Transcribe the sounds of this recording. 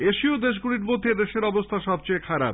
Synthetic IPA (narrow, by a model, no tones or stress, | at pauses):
eʃiod̪eʃ̬ɡuɽiɾmod̪ʱːed̪eʃeɾɔbost̪ʰaʃɔb̚t͡ɕeekʰaɾa̰b̚